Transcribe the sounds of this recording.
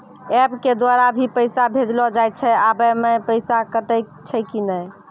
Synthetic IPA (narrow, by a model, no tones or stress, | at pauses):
ɛbked̪waɾabʱipəjsabʱed͡ʒlɔd͡ʒajt̪t͡ʃʰɛabəmepəɪsakəʈəj | t͡ʃʰɛkinəj